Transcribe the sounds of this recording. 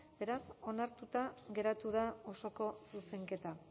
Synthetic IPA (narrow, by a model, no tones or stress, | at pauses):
be̞ɾaso̞naɾt̪ut̪aɣe̞ɾat̪uð̞ao̞so̞ko̞suse̞ŋke̞t̪a